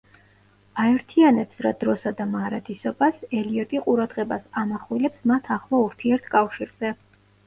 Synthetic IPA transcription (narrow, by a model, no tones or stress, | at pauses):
aɛɾt̪ʰianɛpsɾad̪ɾɔsad̪amaɾad̪ʰisɔbasɛliɔt̪ʼiqʼuɾad̪ʁɛbasanaχwilɛpsmat̪ʰaχlˠauɾt̪ʰiɛɾt̪ʰkʼafʃiɾz̥ɛ